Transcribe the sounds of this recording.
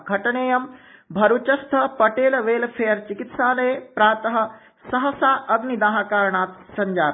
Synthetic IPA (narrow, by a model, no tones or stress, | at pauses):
ɡʱɐʈɐɳeːjɐmbʱɐɾut͡ʃɐst̪ʰɐpɐʈeːlʋeːlpʰejɐɾt͡ʃikit̪saːlɐjepɾaːt̪ɐɦɐ̆ | sɐɦɐsaːʔɐɡnid̪aːɦakaːɾɳaːt̪sɐɲd͡ʒaːɾ